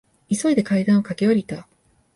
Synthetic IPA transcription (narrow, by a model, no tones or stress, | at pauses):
iso̞id̪e̞kaid̪ãɰ̃o̞kake̞oɾʲit̪a